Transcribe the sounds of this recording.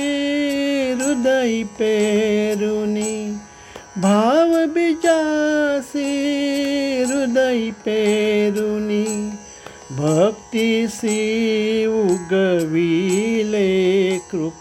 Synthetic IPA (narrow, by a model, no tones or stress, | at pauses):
ɾud̪ɐjipeɾuni | bʱaːʋbid͡ʒasi | ɾud̪ɐipeɾuni | bʱɐkt̪isi | uɡəʋilekɾu